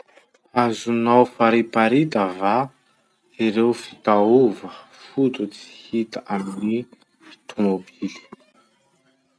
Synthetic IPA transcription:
azunawfaɾipaɾit̪əva | iɾewfi̥t̪auvə | fut̪ut͡si̥hit̪əʔamini | fi̥t̪ʰumobili̥

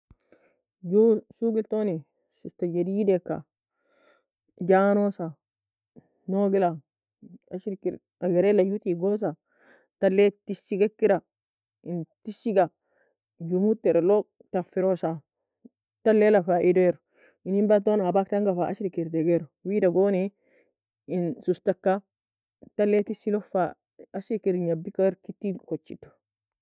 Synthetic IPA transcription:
d͡ʒusuɡiltoni | sitad͡ʒedidekːa̰ | d͡ʒanosa | noɡila | aʃɾikiɾ | aɡeɾelajutiɡos̬a | talːetisiɡakːiɾa | intisiɡa | jumut̪ːeɾelo | tafːiɾosa | talːelafaʔideɾ | inimbat̪̬onabaktaŋɡafaʔaʃɾikiɾdeɡeɾwidaɡoːne | insustakːa | talːetisːilofa | aʃɾikiɾɲabːikaɾkitːikot͡ʃːitːu̥

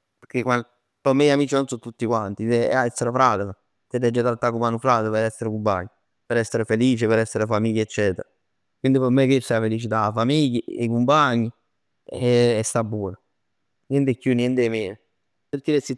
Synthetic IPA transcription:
peɾkekwan | pomːeiamiːt͡ʃinonsut̪ːut̪ːikwant̪it̪ḛaɛst̪ːeɾefɾaːt̪ea | t̪ed̪ɛd͡ʒːat̪alt̪ːakumanufɾat̪əpeɾɛsːeɾekumpa̰ɲːi | peɾɛsːeɾefeliːt͡ʃepeɾɛsːeɾefamiʎːaet͡ʃːɛːt̪ḛɾa | kwind̪ipɔmːekesɛafelit͡ʃit̪afamiʎːiekumpaɲːi | ɛɛst̪abːuːna | njɛnt̪ekːjunjɛnt̪emeːn | peɾk̪ilesi

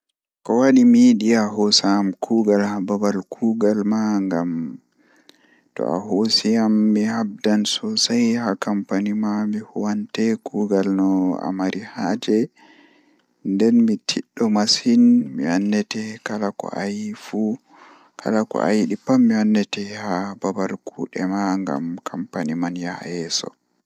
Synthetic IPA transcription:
kɔwaɗimiɗiaɦosamkʰuɡalhababalkʰuɡalmaŋɡam | tɔ̰a̰ɦosiamːihab̚dansɔsajhakampanimamihɔwantɛkʰuːɡalnɔa̰maɾʔihad͡ʒɛ | ndɛnmitʰiɗːɔmashinmiwanːɛtɛkalakɔ̰ʔajfu | kʰa̰lakɔ̰ʔa̰jɗipːamːiwanːɛtɛhababaɾkʰuɗɛmaŋɡa̰mkʰampanimanjaɛsɔ̰

